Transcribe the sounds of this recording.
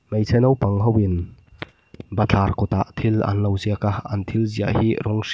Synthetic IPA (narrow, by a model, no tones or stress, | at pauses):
mɐjsʰɛnɐwpɐŋɦɐwin | bɐt͡ɬʰaɾkʰɔt̪aʔt̪ʰilɐ̰nlɐwziakahɐ̰nt̪ʰilzia̰ʔhiɾɔŋs